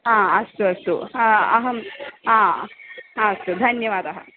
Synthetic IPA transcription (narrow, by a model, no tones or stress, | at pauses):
ɦãɐst̪uɐst̪oɦaɐɦəɦãɦãɐst̪ud̪ʱɐnjɐʋaːd̪ɐɦə̰